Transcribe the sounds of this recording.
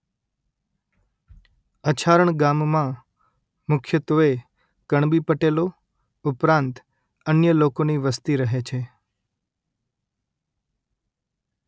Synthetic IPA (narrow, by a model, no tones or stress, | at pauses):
ət͡ʃʰaɾəɳɡammã | mʊkʰjət̪ʋəe | kəɳ̃bipəʈelo | ʊpɾãnt̪ | ənjəlokoniʋəst̪iɾəɦet͡ʃʰe